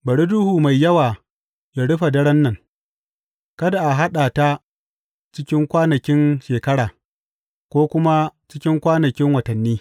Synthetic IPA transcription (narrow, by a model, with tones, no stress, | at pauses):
bɐ˨ɽi˦du˦huː˨ma˨jːɐ˦waː˨ | ja˨ɽʊ˦ɸa˨dɐ˦ɽɐ˦nːɐ˨ŋ | kɐ˦da˨ʔa˨ɦa˦ɗaː˨ta˦ | t͡ʃɪ˦kʲɪ˦ŋkʷaː˦nɐ˨kʲɪ˦nʃeː˨kɐ˦ɽaː˨ | kʷoː˦kʷʊ˦ma˦t͡ʃɪ˦kʲɪ˦ŋkʷaː˦nɐ˨kʲɪ˦ŋwɐ˨tɐ˨nːiː˦